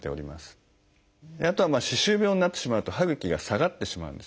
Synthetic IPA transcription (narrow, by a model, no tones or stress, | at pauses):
t̪e̞̰oɾʲima̰sɨ̥ | eat̪o̞βamaːɕiɕɨːbʲjo̞ːɲinat̪ːe̞̥ɕimaɯ̟t̪o̞haɡɯ̟kʲiɡasaɡat̪ːe̞ɕima̰ɯ̟̰̃nd̪e̞